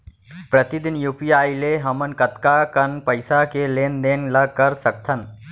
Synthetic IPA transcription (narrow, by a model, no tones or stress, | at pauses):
pɾət̪id̪ɪnjuːpijaːileɦɐmənkət̪kakənpəɪsakeleːnd̪eːnlɐkɐɾsɐk̚t̪ʰən